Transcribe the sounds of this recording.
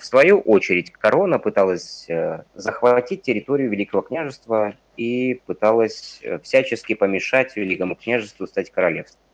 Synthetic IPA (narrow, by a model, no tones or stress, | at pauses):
fsvɐjuʔot͡ɕɪɾʲɪtʲkɐɾo̞nəpɨt̪alˠəsʲzəxvɐtʲit̚ʲtʲːɪɾʲɪt̪o̞ɾʲɪjʊvʲɪlʲikəvəknʲaʐɨst̪və | ipɨt̪alˠəsʲfsʲæt͡ɕɪskʲɪpəmʲɪʂatʲvʲɪlʲikəmʊknʲaʐɨst̪vʊst̪atʲkəɾɐlʲe̞fst̪vəm